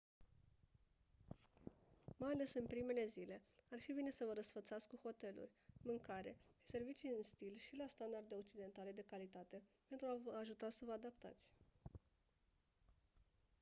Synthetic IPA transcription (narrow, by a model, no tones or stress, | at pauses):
majale̞sɨnpɾime̞le̞zile̞arfibine̞səvəɾəsfət̪sat̪skuxo̞t̪e̞lṵrʲmɨŋkaɾe̞̰ʃi̥se̞rvit͡ʃijɨnst̪ilʃilast̪and̪ard̪e̞o̞k̚t͡ʃid̪e̞nt̪ale̞d̪e̞kalit̪at̪e̞pent̪ɾuavaʒut̪asəvəad̪apt̪a̰t̪sʲ